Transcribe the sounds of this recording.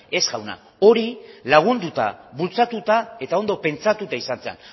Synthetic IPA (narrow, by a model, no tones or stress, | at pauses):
e̞zɣawna̰ | o̞ɾilaɣ̞und̪ut̪a̰βult͡sat̪ut̪ae̞t̪ao̞nd̪o̞pe̞nt͡sat̪ut̪aisant͡sea̰n